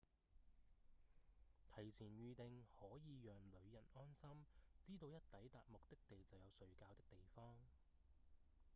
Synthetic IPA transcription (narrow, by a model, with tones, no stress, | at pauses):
t̪ʰɐ˨˩jt͡sʰiː˨˩nɥyː˨t̪ɪ˨ŋhɔː˨˥jiː˨˧jœː˨ŋlɵ˨˧ɥjɐ˨˩nɔː˥nsɐ˥mt͡siː˥t̪o˧wjɐ˥t̚t̪ɐ˨˥jt̪aː˨t̚mʊ˨k̚t̪ɪ˥k̚t̪e˨jt͡sɐ˨wjɐ˨˧wsɵ˨˧˥ɥkaː˧wt̪ɪ˥k̚t̪e˨jfɔː˥ŋ